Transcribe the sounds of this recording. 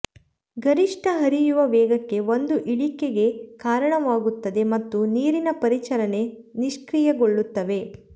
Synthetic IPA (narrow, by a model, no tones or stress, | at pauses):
ɡɐɾiʂʈʰɐɦɐɾijuʋɐʋɛːɡɐkːe̞ʋo̞nd̪uʔiɭike̞ɡe̞kaːɾɐɳɐʋaːɡut̪ːɐd̪e̞mɐt̪ːuniːɾinɐpɐɾit͡ʃɐɾɐne̞ | niʂkɾijɐɡoɭːut̪ːɐʋe̞